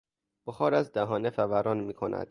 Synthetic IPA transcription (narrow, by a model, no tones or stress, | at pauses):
b̥oxɒːɾæzd̪æɦɒːnefævæɾɒːnmiːkʰonæ̰d̪̥